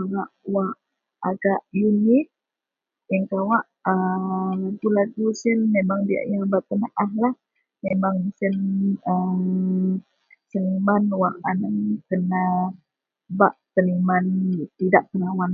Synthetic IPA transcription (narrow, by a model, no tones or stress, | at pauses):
awaʔwaʔ | aɡaʔjunɪk̚ | jəŋkawaʔə | t̪ulaɡusənmemaŋdia̰ʔjaŋbap̪ənaʔahlah | memaŋsinəm | sənimanwaʔanəŋkəna | baʔt̪ənimant̪idaʔkənawan